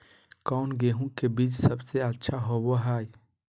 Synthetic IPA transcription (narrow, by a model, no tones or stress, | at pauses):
kɔʊnɡeɦũkebiːt͡ʃsəbseətːʃʰaɦoboɦaːj